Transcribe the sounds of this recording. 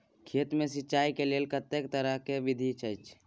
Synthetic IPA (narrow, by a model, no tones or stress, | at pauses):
kʰeːt̪mẽsɪtːt͡ʃaːikelelkət̪ːekt̪əɾəkeʋid̪ʱit͡ʃʰəit͡ʃʰ